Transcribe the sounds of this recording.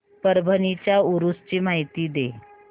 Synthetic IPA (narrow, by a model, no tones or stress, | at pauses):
pəɾbʱənit͡ɕjauɾust͡ɕiːmaɦit̪iːd̪e